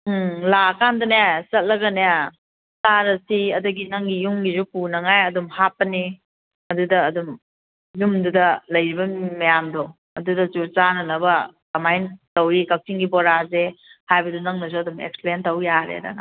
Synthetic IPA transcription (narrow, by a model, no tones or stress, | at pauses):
lakandɐnasɐt̚lɐɡɐnea | taɾɐsiɐduɡinɐŋɡijuŋɡizupunɐŋajɐdumhapːɐni | ɐdudɐːdum | jumdudɐlɐjɾibɐmɐjamdɔ | ɐdudɐt͡ʃuɾt͡ʃanɐnɐbɐdɐmajntɐwikɐk̚siŋɡibɔɾazehajbɐdunɐŋnɐs̬uɐdumḛk̚splentɐwjaɾḛda̰na̰